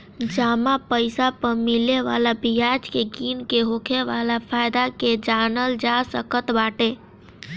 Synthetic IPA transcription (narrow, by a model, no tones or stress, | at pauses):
d͡ʒaːmapəɪsapəɾmɪleʋa̰ːlabijaːd͡ʒkeɡiːnkeɦoːkʰeʋaːlapʰaːjd̪aked͡ʒaːnəld͡ʒasəkət̪baːʈe